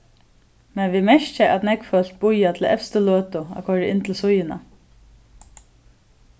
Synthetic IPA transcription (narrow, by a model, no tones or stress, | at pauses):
mɛnʋimɛʃt͡ʃaʔat̪nɛkfœl̥t̪̚bʊjat̪ʰɪlɛ̰fst̪əløːt̪ʊa̰kʰɔɾɪɪnt̪ʰɪlsʊjɪna̰